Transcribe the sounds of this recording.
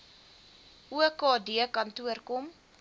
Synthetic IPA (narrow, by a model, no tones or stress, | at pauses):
ʔuəkɑːdiəkɐntuərkɔm